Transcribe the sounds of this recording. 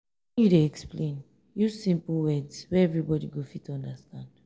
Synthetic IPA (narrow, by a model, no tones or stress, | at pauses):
ɛ̃njudeɛksplẽn | jusĩmpl̩wɛdswɛɛvɹibɔdiɡofitʰuɔ̃ndəstãnd̥